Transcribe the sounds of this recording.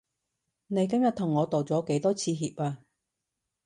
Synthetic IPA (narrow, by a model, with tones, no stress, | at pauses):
ne˨˧jk̬ɐ˥mjɐ˨t̪̚ʰʊ˨˩ŋːɔː˨˧t̪o˨˩wt͡sɔː˨˥ke˨˥jt̪ɔː˥t͡sʰiː˧ɦiː˧p̚aː˧